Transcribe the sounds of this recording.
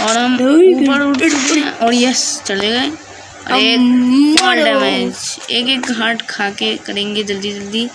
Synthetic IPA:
ɔːɾɦɐmuːpəɾʊʈɪkẽʔoːɽijəst͡ʃɐleɡɐe | ɔ̰ɾeːaɖɛmẽd͡ʒeːkeːk̚ɡʱaːʈkʰaːkekɐɾẽːŋɡed͡ʒɐld̪id͡ʒɐld̪i

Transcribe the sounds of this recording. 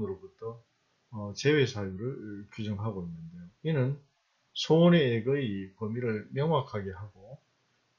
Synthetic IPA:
nɯɾobutʰʌː | t͡ɕe̞we̞sʰajuɾɯɭkjud͡ʑʌŋɦaɡoinːɯndejoinɯn | sʰoneːɡɯipʌmiɾɯɭmjʌŋwakʰaɡe̞ɦaɡo

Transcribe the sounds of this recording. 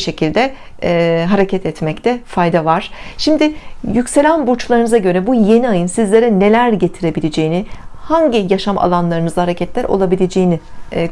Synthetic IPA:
ʃe̞cʰilʲd̪ɛː | ɦaɾecʰɛt̪ʰɛt̪mɛct̪ʰɛfajd̪avaɾ̥ʃimd̪ɪjycʲse̞lʲænbuɾt͡ʃlˠaɾɯnɯzaɟø̞ɾɛbuje̞niajɯnsizlʲe̞ɾɛne̞lʲæɾɟe̞t̪ʰiɾe̞bilʲed͡ʒe̞jinɪhaɲɟɪjaʃama̰lˠanlˠaɾɯnɯzahaɾe̞cʰɛt̪lʲæɾʔo̞̰lˠabilʲed͡ʒejinɪ

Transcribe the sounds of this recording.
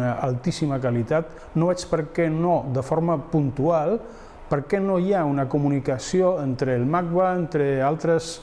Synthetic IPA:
əa̰lˠt̪isiməkalit̪at̪ | noɛt͡ʃpəɾkɛnod̪əfoɾməpunt̪ualˠ | pəɾkɛnojaunəkumunikəsioent̪ɾəːlˠmak̚βaent̪ɾəalˠt̪ɾəs

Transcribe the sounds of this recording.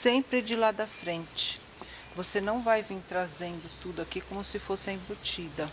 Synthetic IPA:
sẽmpɾɪd͡ʒɪlad̪ɐfɾẽnt͡ʃɪ̥ | vosenɐ̃w̃vajvĩɾt̪ɾazẽnd̪ʊt̪ud̪ʊakikõmʊsɪfosɪɐĩbot͡ʃid̪ɐ

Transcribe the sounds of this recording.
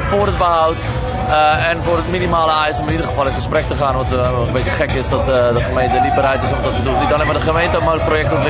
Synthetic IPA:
foːrət̚bəɦawt | ɛnfʊːrətminimaːləɛjsɔmɪnidərχəfɔlˠɪnχəsprɛk̚təχaːnʋɔntkəmbeəχɛkɪsdɔtdəχəmejntəlip̚bərɾɛjtɪsɔmdɔtədunidɔnɛmədəχəmejntəəmɔjləkprojɛktɔtl

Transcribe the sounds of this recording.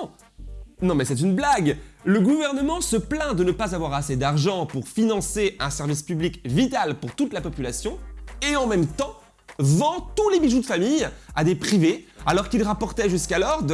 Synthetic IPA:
nɔ̃mɛsɛt̪̬ynblaɡləɡuvɛʁnəmɑ̃səplɛ̃d̪ənəpazavwaʁased̪aʁʒɑ̃puʁfinɑ̃seʔɛ̃sɛʁvispyblikvit̪alpuʁt̪ut̪lapɔpylasjɔ̃eɑ̃mɛmt̪ɑ̃ | vɑ̃t̪ulebiʒud̪əfamija̰d̪epχivealɔʁkilʁapɔʁt̪ɛʒyskalɔʁd̪

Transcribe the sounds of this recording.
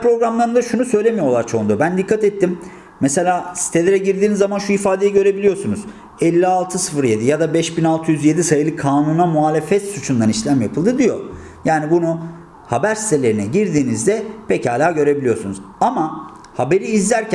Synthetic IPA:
pɾo̞ɡɾamlˠaɾɯnd̪aʃunusø̞jlʲemijo̞lˠaɾt͡ʃʰo̞und̪ubænd̪ikʰːat̪ɛt̪ʰːimː | ɛse̞lʲaːsi̥t̪ʰe̞lʲe̞ɾɛɟiɾd̪iːnizːamanʃuifaːd̪ejɛɟø̞ɾe̞bilʲijo̞sunuz̥ | ɛlʲːialˠt̪ʰɯsɯ̥fɯɾje̞d̪ijad̪abɛʃbinalˠt̪ʰɯjyzje̞d̪isajɯlˠɯkʰaːnunamuaːlʲe̞fɛt̪sut͡ʃʰund̪aniʃlʲæmjapʰɯlˠd̪ɯd̪ijo̞ | jaːnibunu | habæɾsi̥t̪ʰe̞lʲe̞ɾinɛɟiɾd̪iːnizd̪ɛpʰecaːlʲaːɟø̞ɾe̞bilʲijo̞sunuz | ama | habe̞ɾiːzlʲæɾcʰ

